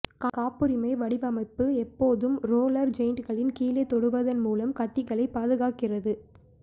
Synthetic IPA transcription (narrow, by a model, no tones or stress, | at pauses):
kkaːpɯɾɪmɐɪʋɐɽɪʋɐmɐɪpːɯɛpːoːðɯmɾoːlɐɾd͡ʒɐɪɳɖɣɐɭɪnkiːlet̪ɔɽɯʋɐðɐnmuːlɐmkɐt̪ːɪɣɐɭɐɪpːaːðɯɣaːkɪrɐðɯ